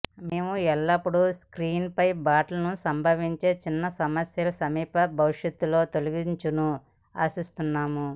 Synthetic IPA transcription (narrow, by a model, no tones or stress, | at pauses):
me̞ːmuɛlːɐpːuɽuskɾiːnpɐjbaːʈlɐnusɐmbʱɐʋiɲt͡ʃe̞ːt͡ʃinːɐsɐmɐsjɐlɐsɐmiːpɐbʱɐʋiʂjɐt̪ːulo̞ːt̪oliɡiɲt͡ʃunu | aːsist̪unːaːmu